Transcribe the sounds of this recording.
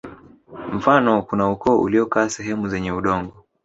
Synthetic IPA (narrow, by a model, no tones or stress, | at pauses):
m̩fanɔkunaukɔːʔṵliɔkaːsɛɦɛmuzɛɲɛuɗɔŋɡɔ